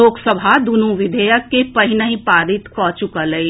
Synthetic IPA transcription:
oːksəbʱad̪unũʋɪd̪ʱəjəkːepɐɦɪnəɦĩpaːɾɪt̪kʰɔːt͡ʃʊkalɐi

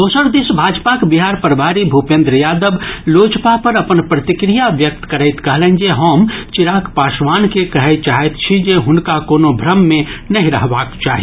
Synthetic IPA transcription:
d̪oːsəɾd̪esbʱad͡ʒpakbiɦaɾpəɾbʱaɾibʱupẽnd̪ɾəjad̪əblod͡ʒpapəɾəpənpɾət̪ikɾijabjək̚t̪kəɾəɪt̪kəɦlɛ̃nd͡ʒeɦəmt͡ʃiɾakpasʋankekəɦɛt͡ʃaɦɛt̪t͡ʃʰid͡ʒeɦʊnkakonobʱɾəmːenəɦĩɾə̰ɦbaːkt͡ʃa̰ːɦi

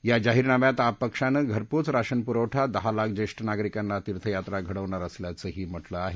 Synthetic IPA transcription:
jad͡ʑaɦiːɾnamjat̪apəkʂanəɡʱəɾpuːt͡sɾaɕənpuɾəʋʈʰad̪əɦalak̚ʰd͡ʑeʂʈənaɡɾikanːat̪iɾt̪ʰəjat̪ɾaɡʱəɽəʋɳaɾəsljat͡səɦiːm̤əʈləaɦe

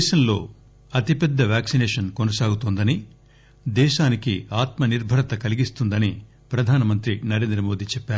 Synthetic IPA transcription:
d̪ɛːʃɐmlo̞̰ː | ɐt̪ipɛd̪ːɐʋaːksinɛːʂɐnkonɐsaːɡut̪und̪ɐni | d̪ɛːʃaːnikiaːt̪mɐniɾbʱɐɾɐt̪ɐkɐliɡist̪und̪ɐni | pɾɐd̪ʱaːnɐmɐnt̪ɾinɐɾe̞ːnd̪ɾɐmo̞ːd̪iːt͡ʃɛpːaːɾu

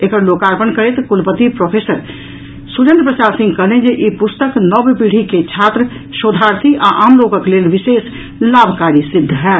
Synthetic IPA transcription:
ekəɾloːkaːɾpənkəɾet̪kʊlpət̪ipɾoːpʰeːsəɾ | suɾẽnd̪ɾəpɾəsaːɾsɪ̃ŋɡkəɦlẽd͡ʒeʔipʊst̪əknɔbpiɽ̤iket͡ʃʰaːt̪ɾə | ʃoːd̪ʱaːɾt̪ʰiʔaʔaːmloːkə̃kleːlʋɪseːs | laːbʱkaːɾisɪd̪ʱːɦɛː

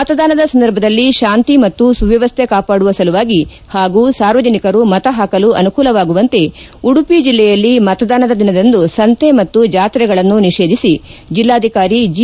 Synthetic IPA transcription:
mɐt̪ɐd̪aːnɐd̪ɐsɐnd̪ɐɾbʱɐd̪ɐlːiʃaːnt̪imɐt̪ːusuʋjɐʋɐst̪ʰekaːpaːɽuʋɐsɐluʋaːɡi | haːɡuːsaːɾʋɐd͡ʒɐnikɐɾumɐt̪ɐɦaːkɐluʔɐnukuːlɐʋaːɡuʋɐnt̪e̞ | uɽupid͡ʒilːɛjɐlːimɐt̪ɐd̪aːnɐd̪ɐd̪inɐd̪end̪usɐnt̪ʰemɐt̪ːud͡ʒaːt̪ɾɛɡɐɭɐnːuniʃeːd̪ʱisid͡ʒilːaːd̪ʱikaːɾid͡ʒ

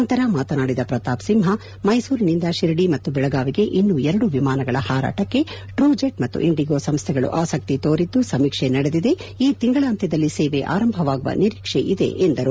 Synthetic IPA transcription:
ɐnt̪ɐɾɐmaːt̪ɐnaːɽid̪ɐpɾɐt̪aːpsimɦɐ | mɐjsuːɾinind̪ɐʃiɾɐɽimɐt̪ːubɛɭɐɡaːʋiɡe̞ʔinːuɛɾɐɽuʋimaːnɐɡɐɭɐhaːɾa̰ːʈɐkːe̞ | ʈɾuːd͡ʒeʈmɐt̪ːṵʔiɳɖiɡoːsɐmst̪ʰɛɡɐɭṵʔaːsɐk̚t̪it̪oːɾid̪usɐmikʂenɐɽed̪id̪e̞iːt̪iŋɡɐɭaːnt̪jɐd̪ɐlːiseːʋeʔa̰ːɾɐmbʱɐʋaːɡuʋɐ̰niɾikʂeʔid̪ḛʔend̪ɐɾu

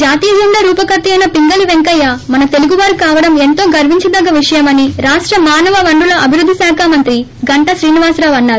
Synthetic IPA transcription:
d͡ʒaːt̪iːjɐd͡ʒuɳɖɐɾuːpɐkɐt̪ːijɐjnɐpiŋɡɐliʋeŋkɐjːamɐnɐt̪e̞luɡuʋaːɾukaːʋɐɽɐme̞nt̪o̞ːɡɐɾʋiɲt͡ʃɐd̪ɐɡɐʋiʂɐjɐmɐniɾaːʂʈɾɐmaːnɐʋɐʋɐɳɖulɐɐbʱiɾud̪ʱːisaːkʰaːmɐnt̪ɾi | ɡɐɳʈɐʃɾiːniʋaːsɾaːʋɐnːaːɾu

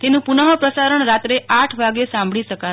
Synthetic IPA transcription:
t̪enũpunəɦəpɾəsaɾəɳɾat̪ɾeʔaʈʰʋaɡesãmbʱɭiʃəka

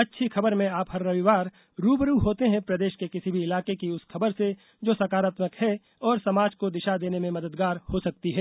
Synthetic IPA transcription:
ɐtːʃʰixɐbəɾmẽaːphɐɾːɐʋiʋaːɾ | ɾuːbɾuɦoːt̪eɦɛ̃pɾɐd̪eːʃkekɪsibʱiɪlaːkekiʊskʰɐbəɾse | d͡ʒoːsɐkaːɾaːt̪məkhɛ | ɔːɾsɐmaːd͡ʒkod̪ɪʃad̪eːnemẽmɐd̪əd̪ɡaːɾhosɐk̚t̪iɦɛː

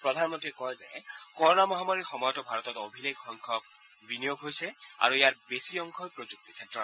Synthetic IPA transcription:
pɹɔd̪ʱanmɔntiɛkɔjzɛ̰kɔɹɔnamɔɦamaɹixɔmɔjɔtɔbʱaɹɔt̪ɔtobʱileɡxɔŋkʰɔb̚ | binijoɡɦojsɛa̰ɹuejaɹbesiɔŋkʰɔjpɹozuk̚ti̥kʰɛtːɹɔ

